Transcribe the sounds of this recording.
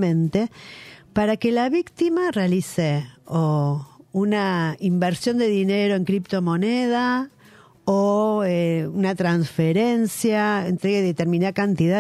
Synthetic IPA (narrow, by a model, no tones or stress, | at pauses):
mẽnt̪epaɾakelaβikt̪imarealiseounaimbeɾsjo̞nd̪e̞ðineɾo̞eŋkɾipt̪o̞mo̞neð̞a | oeunat̪ɾansfeɾensjaḛnt̪ɾe̞ɣeðet̪eɾmĩnaðakant̪iða